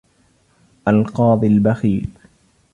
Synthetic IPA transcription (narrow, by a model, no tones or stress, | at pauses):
ʔalqɑːd̪ˤɨlbaxiːɾ